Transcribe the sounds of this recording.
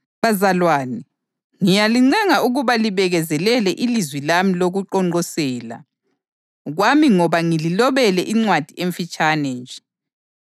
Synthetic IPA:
βazalwaːnɛ | ŋijaliŋ͡ǀɛŋaʔuɣuβaliβɛɣɛzɛlɛlɛʔilizwilamiloɣuǃɔŋŋ͡ǃʱɔsɛːla̰ | ɣwamiŋɔβaŋililɔβɛlɛʔiŋ͡ǀwad̥ʱieɱfit͡ʃʼanɛnd͡ʒʱɛ

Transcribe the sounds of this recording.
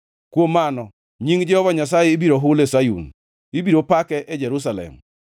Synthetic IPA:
kwomːanɔ | ɲiŋd͡ʒɪɔbaɲasajeːbiɾoɦʊlesajṵn | ibiɾopakɛʔed͡ʒɛɾus̬alɛ̰m

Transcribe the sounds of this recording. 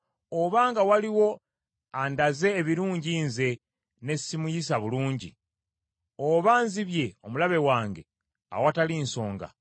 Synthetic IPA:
oβaːŋɡawaliwo̞ | andaze̞ːβiɾuːɲɟiːnze̞ | ne̞simujis̬aβuluːɲɟḭ | oβaːnziβje̞o̞mulaβe̞waːŋɡe̞̰ | a̰watalinso̞ːŋɡa̰

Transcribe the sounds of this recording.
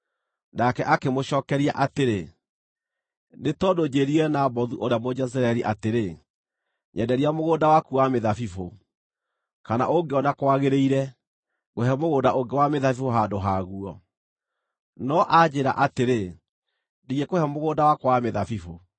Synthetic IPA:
nakɛʔakemoɕɔːkɛɾia̰ʔateɾe | netɔdod͡ʑeɾiɛnabɔðuʔoɾeamod͡ʒɛs̬ɾaɛɾiʔateɾe | ɲʔɛdɛɾiamoɣoːndawakuwameðafifo | kana̰ʔoŋɡeɔnakwaɣeɾeiɾɛ | ɣohɛmoɣoːndaʔoŋɡewameðafifoɦadoɦaɣuɔ | nɔʔad͡ʑeɾa̰ʔateɾe | ndiɣekohɛmoɣoːdawakowameðafifo

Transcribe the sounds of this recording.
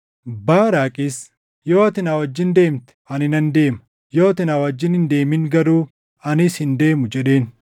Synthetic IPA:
baːɾaːkʼɪs | joːɐt̪ɪnaːwɐd͡ʒːɪnd̪e̞ːmt̪ɛ̥ɐnɪnɐnd̪e̞ːmɐ | joːɐt̪ɪnaːwɐd͡ʒːɪnhɪnd̪e̞ːmɪŋɡɐɾuː | ɐnɪshɪnd̪e̞ːmʊd͡ʒɛɗe̞ːn

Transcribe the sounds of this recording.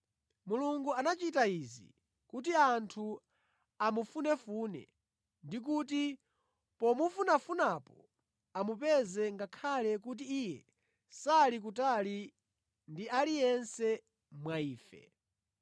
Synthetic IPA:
muluŋɡuanat͡ʃitaizḭ | kut̬iantʰu | amufunɛfuːnɛ̰ | ndik̬ut̬i | pɔmufunafunapɔ | amupɛzɛŋɡakʰalɛk̬ut̬iːjɛ | salik̬ut̬ali | ndialijɛnsɛ | mwaiːfɛ̰

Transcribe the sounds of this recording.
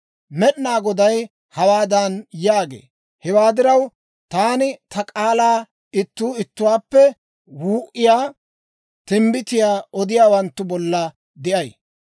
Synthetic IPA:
mɛɗnaːɡɔd̪ɐj | hɐwaːd̪ɐnjaːɡḛː | hɛwaːd̪ɪɾɐw | t̪aːnɪt̪ɐkʼaːlaː | ɪt̪ːuːɪt̪ːʊwaːpːɛ | wuːʔɪjaː | t̪ɪmbɪt̪ɪjaːɔd̪ɪjaːwɐnt̪ːʊbɔlːɐ | d̪ɪʔɐj

